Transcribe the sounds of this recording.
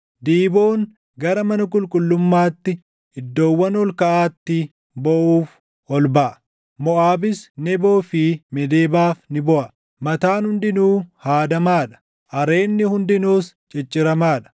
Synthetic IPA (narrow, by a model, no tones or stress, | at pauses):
d̪iːbo̞ːŋ | ɡɐɾɐmɐnɐkʼʊlkʼʊlːʊmːaːt̪ːɪ | ɪd̪ːo̞ːwːɐnɔlkɐʔaːt̪ːɪ | bɔʔuːf | ɔlbɐʔɐ | mɔʔaːbɪsnɛbo̞ːfɪmɛd̪eːbaːfnɪbɔʔɐ | mɐt̪aːnhʊnd̪ɪnuːhaːd̪ɐmaːᶑɐ̥ | ʔɐɾe̞ːnːɪhʊnd̪ɪnuːs | t͡ʃʼɛt͡ʃʼːɪɾɐmaːᶑɐ̥